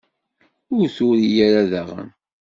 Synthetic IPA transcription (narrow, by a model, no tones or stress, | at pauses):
ʊɾθʊɾijæɾaðæʁə̰n